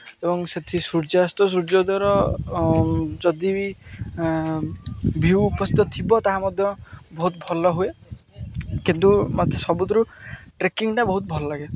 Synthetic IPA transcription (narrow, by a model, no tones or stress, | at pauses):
ebɔŋset̪ʰisuɾd͡ʒast̪ɔs̬uɾd͡ʒɔd̪aɾɔ | d͡ʒɔd̪i | bʱiwːpɔst̪it̪ɔt̪ʰibɔt̪aɦamɔd̪ʱjɔbɔɦut̪̚bʱɔlɔɦue | kint̪umad̪ʱjɔsɔbud̪ɔɾuʈɾekiŋʈabɔɦut̪̚bʱɔlɔlaɡe